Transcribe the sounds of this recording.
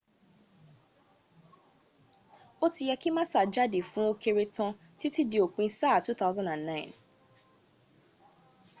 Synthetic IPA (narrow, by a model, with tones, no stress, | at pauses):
o˦ti˨jɛ˦ki˦mã˦sa˨d͡ʒa˦de˨fũ˦o˦kʰe˨ɾe˦tɔ̃˦ | tʰi˦ti˦di˨o˨k͡pĩ˦sa˦˨tu˦t̪a˦ʊzã˦nã˨nːã˦ɪ̃˨n